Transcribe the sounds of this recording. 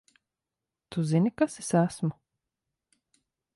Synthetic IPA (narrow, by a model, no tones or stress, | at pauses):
t̪uzinʲikasesæsmu